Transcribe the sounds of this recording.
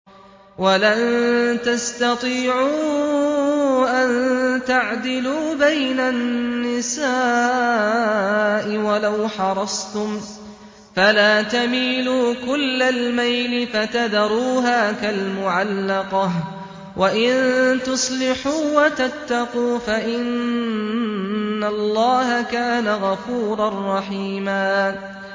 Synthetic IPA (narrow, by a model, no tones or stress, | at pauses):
walant̪ast̪ɑt̪ˤiːʕuː | ʔant̪aʕd̪ɪluːbajnanːɪsaː | ʔɪwalawħɑɾˤɑsˤt̪ʊm | falaːt̪amiːluːkʊlːalmajlɪfat̪ad̪ɑɾuːɦaːkalmʊʕalːɑqɑh | waʔɪnt̪ʊsˤlɪħuːwat̪at̪ːɑquːfaʔɪn | alˤːɑːɦakaːnaɣɑfuːɾˤɑnˤːɑħiːmaː